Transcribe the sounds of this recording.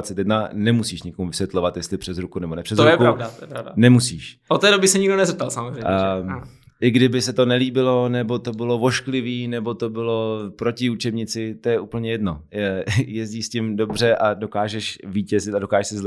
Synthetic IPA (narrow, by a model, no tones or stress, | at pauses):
t͡sɛt̪jɛdnanɛmusiːʃɲɪkomuvɪsjɛt̪lovat̪jɛst̪lɪpr̥ɛzɾukunɛbo̞nɛpr̥ɛzɾujɛpkɾavdat̪ɛɾavdanɛmusiːʃʔot̪ːɛːdobɪsɛɲɪɡdonɛzɛp̚t̪alsamozrej | ʔɪɡdɪbɪsɛt̪o̞nɛliːbɪlo̞nɛbo̞t̪o̞bɪlo̞vo̞ʃklɪviːnɛbo̞t̪o̞bɪlo̞pɾo̞cɪut͡ʃɛbɲɪt͡sɪt̪ojɛʔupl̩ɲɛjɛdno̞ | jɛzɟiːʃscɪmdo̞br̝ɛʔado̞kaːʒɛʃviːcɛzɪt̪ado̞kaːʒɛʃsɪzlɛ